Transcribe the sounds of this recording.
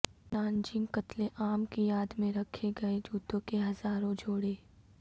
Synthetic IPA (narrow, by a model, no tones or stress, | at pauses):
naːnd͡ʒɪ̃ŋkɐt̪leʔaːmkijaːd̪mẽɾɐkʰeɡɐed͡ʒuːt̪õkeɦɐzaːɾõd͡ʒʱoːɽeː